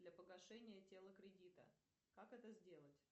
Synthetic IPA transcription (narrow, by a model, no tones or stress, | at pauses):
d̪lʲɐpəɡɐʂɛnʲɪjətʲelˠəkɾʲɪdʲit̪ə̰ | kakɛt̪əzʲdʲe̞lˠətʲ